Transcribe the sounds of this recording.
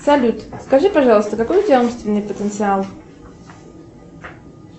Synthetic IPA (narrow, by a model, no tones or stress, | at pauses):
sɐlʲut̪skɐʐɨpɐʐɑlˠəst̪əkɐkojʊtʲaumst̪vʲɪnːɨjpət̪ənt̪sɨalˠ